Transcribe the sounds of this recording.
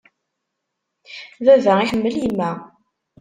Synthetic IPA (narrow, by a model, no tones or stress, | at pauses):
ðævæiçəmːəlimːæ